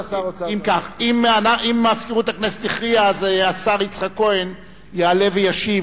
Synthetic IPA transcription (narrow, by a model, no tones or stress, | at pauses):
imkaχimanaʔimaskiʁut̪akneset̪iχʁiazeasaʁit͡sχako̞e̞n | jaːle̞vejaʃiv